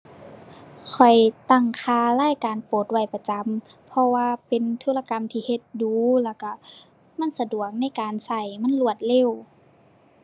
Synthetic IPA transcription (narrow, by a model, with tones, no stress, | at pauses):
kʰɔ˨˩jt̪a˧˩ŋkʰaː˧laː˥˨jkaː˨npoː˨˩t̪̚wa˧˩jpa˧t͡ɕa˨˦mpʰɔ˧waː˧pe˨nt̪ʰuː˧˨la˧ka˧˨mt̪ʰiː˧he˧t̪̚duː˨˦lɛː˧˩wka˧˩ | ma˧˥˨nsa˧du˨˩ək̚na˧˥˨jkaː˨nsa˧˩jma˧˥˨nlu˧˩ət̪̚le˧˩˨w